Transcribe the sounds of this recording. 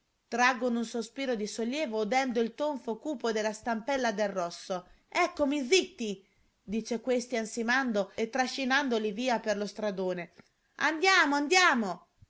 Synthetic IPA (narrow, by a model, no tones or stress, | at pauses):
t̪ɾaɡːonunsospiːɾod̪isolːjɛːvoud̪ɛnd̪oilt̪oɱfokuːpod̪elast̪ampɛlːad̪erːɔsːo | ɛkːomizit̪ːi | d̪iːt͡ʃekwest̪iansimand̪oet̪ːɾaʃːinand̪oliviːaperlost̪ɾad̪oːne | a̰nd̪jaːmoand̪jaːmo